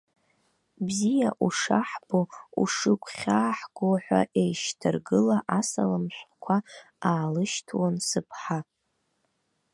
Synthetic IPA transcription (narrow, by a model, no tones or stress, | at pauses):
bzijaʔuʂaħb̥oṵʂɨkʷʰχʲaːħɡʷoħʷa̰ʔejʃtʰɨrɡɨlaʔasa̰lamʃʷkʷʰa | aːlɨʃtʰwansɨpʰħa